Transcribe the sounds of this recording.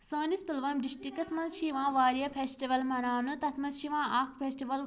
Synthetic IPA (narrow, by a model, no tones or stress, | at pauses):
sə̃ːnispɪlʋɐmɖisʈikɐsmɐzʃiːʋãːʋaːɾijɐpʰeːsʈiʋɐlmɐnaːnɨt̪ɐt̪ʰmɐzʃiʋãːʔaːkʰpʰeːsʈiʋɐl